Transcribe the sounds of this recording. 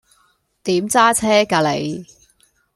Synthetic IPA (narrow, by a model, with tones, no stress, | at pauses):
t̪iː˨˥mt͡saː˥t͡sʰɛː˥kaː˧le˨˧j